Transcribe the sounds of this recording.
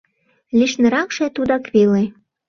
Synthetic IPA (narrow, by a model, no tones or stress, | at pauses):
lʲiʃnə̆ɾɑkʃĕt̪ud̪ɑkβele